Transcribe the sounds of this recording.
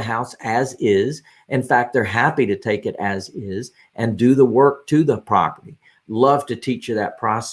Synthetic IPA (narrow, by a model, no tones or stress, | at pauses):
ɨɦaʊsɨzɪz | ʔɨ̃nfæk̚t̪̚ðə˞ɦæpiɾɨtʰeɪkɨɾɨzɪz | ʔɨ̃ndɨðəwɜ˞k̚tʰɨðəpʰɹ̥ɑ̰pə˞ɾi | lʌv̥tɨtʰit͡ʃɨðɨt̚pʰɹ̥ɑs